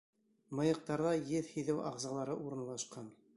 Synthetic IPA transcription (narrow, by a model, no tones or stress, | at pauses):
mɤ̆jɤ̆q̚t̪ɑɾðɑjɘðhiðɘwɑʁzɑlˠɑɾɤʔuɾɤ̆nlˠɑʃqɑn